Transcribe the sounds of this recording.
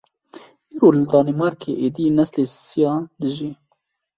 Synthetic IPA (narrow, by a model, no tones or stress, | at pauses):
ʔiːɾoːlɨd̪ɑːnemɑɾkʰeʔeːd̪inɛslesijɑd̪ɨʒi